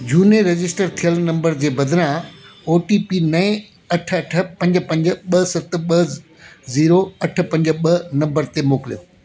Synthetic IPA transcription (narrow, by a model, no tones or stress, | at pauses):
d͡ʑʱuːneɾɐd͡ʑɪsʈəɾt̪ʰijəlnɐ̃mbəɾd͡ʑeːbɐd̪ʱɾãoːʈiːpinɐẽ | ɐʈʰɐʈ̆ʰpɐ̃ɲd͡ʑ̆pɐ̃ɲd͡ʑʊ̆ɓɐsɐt̪̆ɓɐ | ziːɾoɐʈ̆ʰpɐ̃ɲd͡ʑə̆ɓɐnɐ̃mbəɾt̪emoːkɪlɪijo